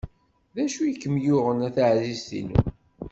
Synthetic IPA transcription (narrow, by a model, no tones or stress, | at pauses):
ðæʃujəkːəmjʊʁənæθaʕzist̪ḭnṵ